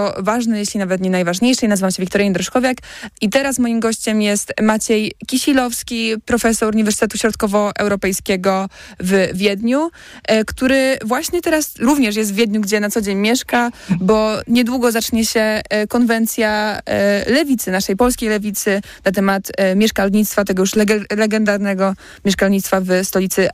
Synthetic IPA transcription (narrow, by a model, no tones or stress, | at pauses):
ɔvaʐnɛjeɕlʲinavɛt̪ɲɛnajvaʐɲejʂɛjnazɨvamɕɛvʲikt̪ɔɾjɛnd̪ɾɔʂkɔvʲjakit̪ɛɾasmɔjimɡɔɕt͡ɕɛmjɛst̪mat͡ɕejkʲiɕilɔfskʲipɾɔfɛsɔɾuɲivɛɾsɨt̪ɛt̪uɕɾɔt̪kɔvɔʔɛ̰wɾɔpɛjskʲɛɡɔvvʲjɛd̪ɲu | kt̪uɾɘvwaɕɲɛt̪ɛɾasɾuvɲɛʂ̬jɛst̪vʲjɛd̪ɲuɡd͡ʑɛnat̪sɔd͡ʑeɲmʲjɛʂkabɔɲɛd̪wuɡɔzat͡ʂɲɛɕɛkɔnvɛnt̪sʲja | lɛvʲit̪sɘnaʂɛjpɔlskʲejlɛvʲit̪sɘ | nat̪ɛmat̪mʲjɛʂkalɲit̪st̪fat̪ɛɡɔjuʂlɛɡɛlɛɡɛnd̪aɾnɛɡɔ | mʲɛʂkalɲit̪t̪favst̪ɔlʲit̪sɘ